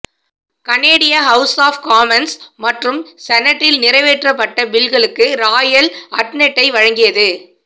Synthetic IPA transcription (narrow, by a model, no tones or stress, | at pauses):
kɐneːɽɪjaɦɐʊsaːfkaːmɛnsmɐʈrɯmsɛnɐʈːɪlnɪrɐɪʋeːʈrɐpːɐʈːɐbɪɭɣɐɭɯkːɯɾaːjɐlɐʈnɛʈːɐɪʋɐɻɐŋɡɪjɐðɯ